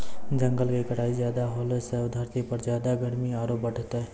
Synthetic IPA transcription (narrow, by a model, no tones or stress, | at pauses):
d͡ʒə̃ŋɡəlʋekəʈʰaːizjaːd̪aɦːləsed̪ʱəɾt̪ipəɾzjaːd̪aɡəɽmiaːɾoːp̚bəʈt̪e